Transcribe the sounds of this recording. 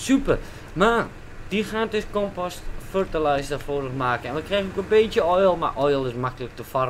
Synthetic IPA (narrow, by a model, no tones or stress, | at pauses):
sypər | ma | d̥ixaːntøskɔmpɔstførtalajsdafoːdəxmaːkənɛnʋəkrɛxənokənbeːtjəɔjlˠma̰ʔɔjlˠɪsmakələk̚təfɔr